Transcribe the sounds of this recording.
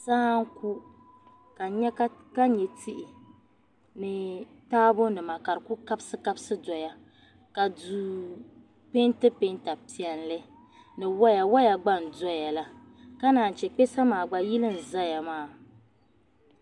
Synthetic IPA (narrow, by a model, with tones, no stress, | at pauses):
saː˦ŋ̩˦ku˦ | ka˨ɲɛ˦ka˦ɲɛ˨tʰi˦ʔɪ˨ | nɨ˨ | taː˦bʊ˦nɨ˨ma˨ka˨ɾɨ˨ku˦ka˦bsɨ˦ka˦bsɨ˦dɔ˨ja˨ | ka˨du˨ | pe˦ntɨ˦pe˦n˦ta˨pi˨ɛ˨n˦lɨ˦ | nɨ˨wa˦ja˨wɔ˦ja˨ɡ͡ba˦n̩˨dɔ˦ja˨la˦ | ka˦naː˨n̩˨t͡ʃɛ˨k͡pɛ˦sa˦maː˨ɡ͡ba˨ji˦lɨ˦n̩˨za˦ja˨maː˦˨